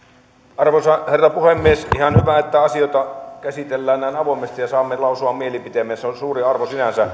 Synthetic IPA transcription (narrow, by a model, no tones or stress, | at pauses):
ʔɑrʋosɑherːɑpuhemːiesihɑnhyʋæet̪ːæɑsioˑt̪ɑkæsit̪elːæːnnæˑːnɑʋoˑimest̪ijɑsɑːmːelɑˑusuɑmmielipit̪emːˑeːnseonsuːriɑrʋosinænsæ